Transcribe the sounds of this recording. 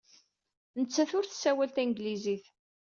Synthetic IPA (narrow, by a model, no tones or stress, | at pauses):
nət͡sːæθʊɾθsːæwælt̪ænɡliziθ